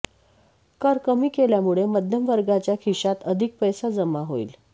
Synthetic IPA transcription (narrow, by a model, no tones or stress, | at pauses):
kəɾkəmiːkeljamuɭeməd̪ʱjəmʋəɾɡat͡ɕjakʰiɕat̪əd̪ʱik̚pəjsad͡zəmaɦoḭːl